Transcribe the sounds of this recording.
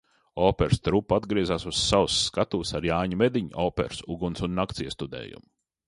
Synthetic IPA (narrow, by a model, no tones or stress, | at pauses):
ɔːpɛɾst̪ɾupːad̪ɡɾiɛzaːsusːawsːkat̪uːsaɾjaːɲmed̪iɲɔːpɛ̰ɾsuɡunsunːakt̪siɛst̪ud̪ɛ̰ːjṵm